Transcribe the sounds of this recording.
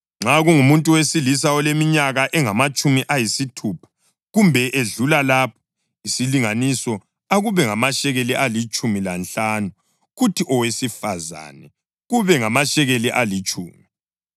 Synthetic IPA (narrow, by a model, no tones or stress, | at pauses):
ŋ͡ǁaɣuŋumuntʼuwesilisaɔlemiɲaɣaʔɛŋamat͡ʃʼumiʔajisitʰupʰḁ | ɣumbʱɛʔeɮulalapʰɔ̥ | isiliŋanisɔ | aɣuβɛŋamaʃɛɣeliʔalit͡ʃʼumilanɬaːnu | ɣutʰiʔɔwesifaza̰ːnɛ | ɣuβɛŋamaʃɛɣeliʔalit͡ʃʼṵːmi